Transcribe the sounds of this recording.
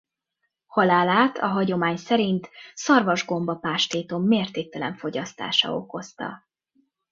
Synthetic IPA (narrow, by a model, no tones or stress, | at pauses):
hɒlaːlaːt̪ʰɒɦɒɟo̞maːɲsɛɾint̪sɒrvɒʒɡo̞mbɒpaːʃt̪eːt̪o̞mːeːrt̪eːk̚t̪ɛlɛɱfo̞ɟɒst̪a̰ːʃɒ̰o̞̰ko̞st̪ɒ̰